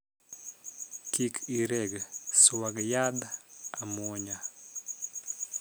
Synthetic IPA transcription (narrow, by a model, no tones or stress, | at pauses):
kikiɾɛɡswaɡjad̪aamɔɲa